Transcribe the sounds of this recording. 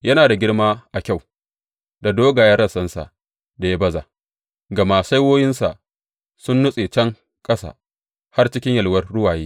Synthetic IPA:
jɐ˦naː˨da˨ɡʲɪ˦rmaː˦ʔa˨kʲa˦˨w | da˨doː˦ɡaː˨ja˦ɾɐ˦˨sɐ˦nsa̰˨ | da˨ja˦bɐ˦za̰ː˨ | ɡɐ˨ma˨sa˦jwoː˦jɪ˦nsa̰˨ʔ | sʊ˦nːʊ˦sʼeː˨t͡ʃɐ˦ŋ | kʼɐ˦sa̰˨ | ha˦rt͡ʃɪ˦kʲɪ˦ɲjɐ˨lwɐ˦rːʊ˦waː˨jeː˦

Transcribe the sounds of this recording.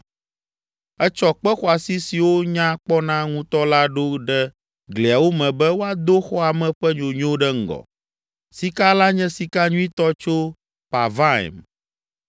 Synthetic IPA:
ɛ˦t͡ʃɔ˦k͡pɛ˦xɔ˨a˨si˦si˨wo˦ɲã˦k͡pɔ˦nã˦ŋũ˦t̪ɔ˦la˦ɖo˦ɖɛ˦ | ɡle˨a˨wo˦mɛ̃˨bɛ˦wo˦a˦d̪o˦xɔ˦a˨mɛ̃˨ɸɛ˦ɲõ˨ɲ˦õ˦ɖɛ˦ŋ̩˦˨ɡɔ̰˨ | si˦ka˦la˦ɲɛ̃˦si˨ka˦ɲũ˦i˦t̪ɔ˦t͡ʃo˦ | pa˨va˦ḭ˨m

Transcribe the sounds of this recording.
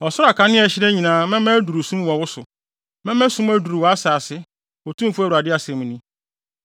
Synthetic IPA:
ɔ˨sʊ˦ɾa˨kʰa˦nɪ̃˦ɛ˨ɕɪ˦ɾe˦ɲĩ˨nãː˨˦mɛ̃˦mɛ̃˦du˨ɾu˨sũ˦mwɔ̃˨wʊ˦sʊ˨ | mɛ̃˦mɛ̃˦sũ˦mæ˦du˨ɾu˨wɔ˨a˦saː˨sɪ˦ | o˨tʰũ˦fu˦æ˦˨u˨a˨dɪ˦a˨sɛ̃˨mũ˨nĩ˦

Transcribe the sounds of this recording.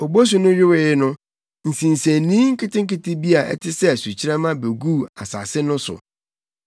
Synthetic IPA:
o˨bo˦s̬u˨nʊ̃˦ɥᶣɪ˦wɪ˨ɪ˦nʊ̃˦ | n̩˨sĩ˨n̩˨sæ˨nĩ˦ŋ̩˦kʰɪ˦tɪ̃˦ŋ̩˦kɪ˦tɪ˦bi˦a˨ʔɛ̰˦tʰɪ˦sɛ˦˨su˨t͡ɕʰɪ˦ɾɛ˦mã˦be˨ɡu˦˨a˨sa̰˨sɪ˦nʊ̃˦sʊ̰˨

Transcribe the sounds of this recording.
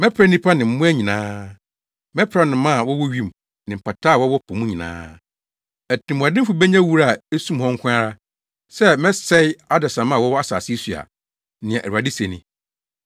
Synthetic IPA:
mɛ˦pʰɾa˦nĩ˦pʰa˦nɪ̃˨m̩˦mʊ̃˦æ˦ɲĩ˨nãː˦ | mɛ˦pʰɾa˦nʊ̃˨mã˦˨wɔ˦wɔ˦ɥi˦m˨ | nɪ̃˨m̩˨pa˨tʰaː˦˨wɔ˦wɔ˦pʰɔ˨mũ˦ɲĩ˨nã̰ː˦ | æ˨tɪ̃˨mũ˨a˨dɪ̃˦fu˨bɛ˦ɲã˦wu˦ɾa˦˨e˦sũ˦mhɔ̃˦ŋ̩˦kʰʷʊ̃˦a˦ɾa˦ | sɛ˦mɛ̃˦sɛ˦ɪ˦a˦dɛ˨sã˨mã˦˨wɔ˦wɔ˦a˦sa̰ː˨sɪ˦su˨a̰˨ | nɪ̃˨ɛ̃˨ʔæ˨u˨a˨dɪ˦se˨nɪ̃˨

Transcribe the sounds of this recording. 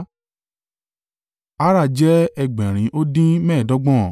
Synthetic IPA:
a˦ɾa˦˨d͡ʒɛ˦ɛ˧ɡ͡bɛ̃˨ɾ̃ĩ˨˦ʔo˦dĩ˦mɛ̃ː˦˨dɔ˨˦ɡ͡bɔ̃˦˨

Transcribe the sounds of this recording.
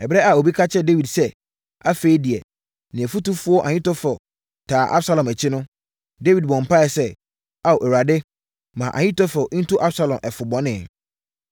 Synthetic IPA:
ɛ˨bɾɛ˦a˨o˨bi˦kʰa˦t͡ɕʰɛ˦de˦wi˨dsɛ˦ | a̰˦fe˦i˦di˨ɛ˨ | nɪ̃˨æ˨fu˦tu˦fʊ˦ɔ˦ʔa̰˨ɲĩ˦tɔ˦fɔ˨ | tʰaː˨ʔa˦bsa˦lɔ̃˨mæ˨t͡ɕʰɪ˦nʊ̃˦ | de˦wi˨d̚bɔ̃˨m̩˨pa˦ɛ˨sɛ˦ | a˦˨wʔɛ˨ɾa˨dɪ˦ | mã˨ʔã̰˨ɲĩ˦tɔ˦fɔ˨ʔn̩˦tʰʊ˦ʔa˦bsa˦lɔ̃˨mʔɛ˨fʊ˨bɔ̃˦nɪ̃˨

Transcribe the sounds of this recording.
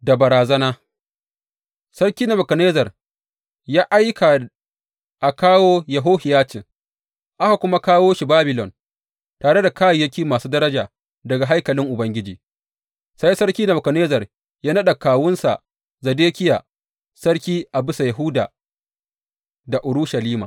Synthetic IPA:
da˨bɐ˨ɾaː˨zɐ˦naː˦ | sɐ˦rkʲiː˦na˨mɐ˨kɐ˨neː˦zɐ˨r | jaː˦ʔa˦jkʰa˨ | ʔa˨kaː˦woː˦jɐ˨ɦoː˦hɪ˨jaː˦t͡ʃɪ˨ŋ | ʔa˦ha˨kʷʊ˦ma˦kaː˦woː˦ʃi˨baː˦bɪ˨lɔ˨n | taː˨ɽe˦da˨kaː˦jjɐ˦kʲiː˦maː˨suː˦dɐ˦ɾɐ˦d͡ʒaː˨ | dɐ˨ɡa˨ɦa˦jkɐ˨lɪ˦ŋʔʊ˨bɐ˦ŋɡʲɪ˦d͡ʒḭː˨ | sa˦jsɐ˦rkʲiː˦na˨bɐ˨kɐ˨neː˦zɐ˨r | jaː˦nɐ˦ɗa˨kaː˨wʊ˦nsa̰˨ | zɐ˨deː˦kʲɪ˦jaː˨ | sɐ˦ɽkʲiː˦ʔa˨bɪ˦sa˨jɐ˨ɦʊ˦da̰ː˨ | da˨ʔʊ˨ɽu˦ʃɐ˨liː˦ma̰ː˨

